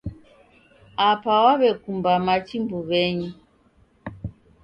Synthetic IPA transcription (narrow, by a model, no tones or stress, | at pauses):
apawaβɛkumbamat͡ʃimbuβɛɲu